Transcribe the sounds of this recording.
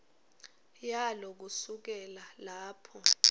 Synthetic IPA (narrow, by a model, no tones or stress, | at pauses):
jalɔk̬usuk̬ɛlalaːpʰɔ